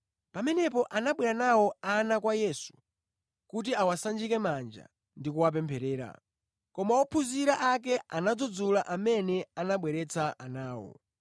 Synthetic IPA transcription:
pamɛnɛpɔʔanaɓwɛɾanawɔanakwajɛsu̥ | kut̬iawasand͡ʒikɛmand͡ʒa̰ | ndikuwap̬ɛmpʰɛɾɛːɾa̰ | kɔmawɔpʰuziɾaʔak̬ɛanad͡zɔd͡zulaʔamɛnɛanaɓwɛɾɛt͡sʰaʔanaːwɔ̰

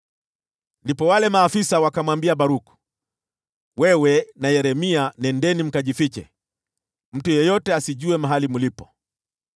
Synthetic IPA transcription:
ndipɔwalɛmaːfisawakamwambiaɓaɾuku̥ | wɛwɛnajɛɾɛmianɛndɛnim̩kaʄifit͡ʃɛ̰ | m̩tujɛjɔtɛasiʄuɛmaɦalimulipɔ

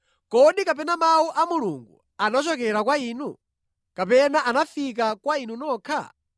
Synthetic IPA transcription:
kɔɗikap̬ɛnamauʔamulṵŋɡṵ | anat͡ʃɔkɛɾakwaiːnu | kapɛnaʔanafik̬akwainunɔːkʰa̰

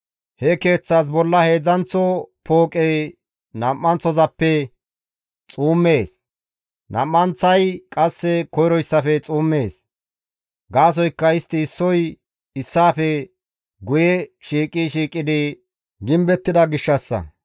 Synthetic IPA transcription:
hɛke̞ːt͡sːaːs̬bɔlːɐhe̞ːzɐnt͡sːɔpo̞ːkʼej | nɐmːɐnt͡sːɔzɐpːɛ | t͡sʼuːmːe̞ːs | nʔɐ̰mːɐnt͡sːɐjkʼɐsːɛkɔjɾɔjsːɐfɛt͡sʼuːmːeːs | ɡaːs̬ɔjkːɐɪst̪ːɪːsːɔj | ɪsːaːfɛ | ɡʊjɛʃiːkʼiʃiːkʼːɪd̪ɪ | ɡɪmbɛt̪ːɪd̪ɐɡɪʃːɐsːɐ̰

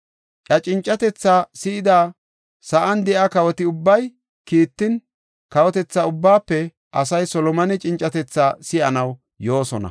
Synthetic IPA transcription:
ʔʼɐt͡ʃʼɪnt͡ʃʼːɐt̪ɛt͡sːaːsɪɪd̪aː | sɐʔɐnd̪ɛʔakɐwɔt̪ɪʊbːɐj | kiːt̪ːɪn | kɐwɔt̪ɛt͡sːaʊbːaːpːɛ | ʔɐsɐjsɔlɔmɐnɛt͡ʃʼɪnt͡ʃʼːɐt̪ɛt͡sːaːsɪʔɐnɐw | jo̞ːsɔnɐ̰

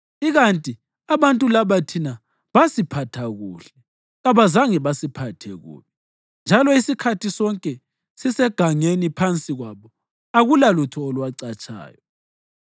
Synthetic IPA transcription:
iɣantʼi | aβantʼulaβatʰina | βasipʰatʰaɣṵːɬɛ | ɣaβazaŋɛβasipʰatʰɛɣṵːβɛ | nd͡ʒʱalɔisikʰatʰisɔŋkʼɛ | sisɛɡ̥ʱaŋenipʰant͡sʼiɣwaβɔ | aɣulalutʰɔːlwaǀat͡ʃʼa̰ːjɔ

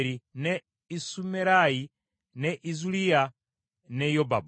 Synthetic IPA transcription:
ɾinɛ | isumɛɾaji | nɛʔizulia | nɛjɔbab

